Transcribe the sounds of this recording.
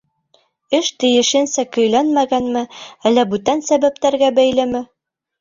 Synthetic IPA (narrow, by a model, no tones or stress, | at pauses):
ɘʃt̪ɘ̆jɘ̆ʃɘ̆nsækɵ̆jlænmæɡænmɘælːæbʉt̪ænsæβæpt̪æɾɡæbæjlɘmɘ